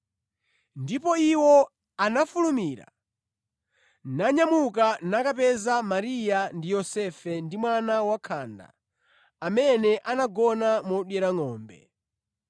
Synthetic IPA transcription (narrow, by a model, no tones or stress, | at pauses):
ndipɔiwɔ | anafulumiːɾa̰ | naɲamukanakapɛzamaɾijandijɔsɛfɛndimwanawakʰaːnda̰ | amɛnɛʔanaɡɔnamɔɗwɛɾaŋɔːmbɛ̰